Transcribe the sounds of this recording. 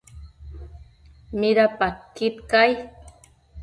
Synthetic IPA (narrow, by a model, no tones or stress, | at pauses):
miɾapat̪̚kit̪kaj